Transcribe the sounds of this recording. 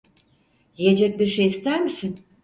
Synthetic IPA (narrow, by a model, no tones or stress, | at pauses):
jije̞d͡ʒɛc̚biɾʃejist̪ʰæɾmisin